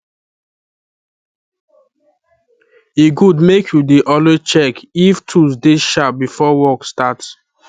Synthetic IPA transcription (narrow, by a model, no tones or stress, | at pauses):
eɡudmekʰjudeʔɔlet͡ʃɛkiftʰusdeʃap̚bifɔwɔkstats